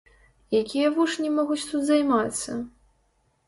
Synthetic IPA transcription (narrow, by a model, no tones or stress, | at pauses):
jakʲijɐvuʂnʲimɔɣut͡sʲt̪ut̪zajmat̪sːɐ